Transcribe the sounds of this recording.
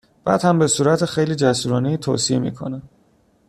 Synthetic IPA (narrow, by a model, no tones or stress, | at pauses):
b̥æ̰ːd̪̥hæmbe̞suːɾæt̪ʰexejliːd͡ʒæsuːɾɒːnejiːt̪ʰo̰ːsiemḭːkʰo̞̰næ